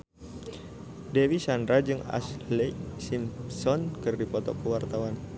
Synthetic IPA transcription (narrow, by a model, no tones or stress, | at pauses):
dɛwisandɾad͡ʒɨŋa̰slɛsimsɔnkɨrdipɔt̪ɔ̰kəwart̪awan